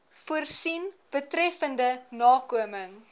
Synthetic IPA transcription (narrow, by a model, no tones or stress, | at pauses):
fuərsin | b̥ətɾɛfəndənɑːkuəməŋ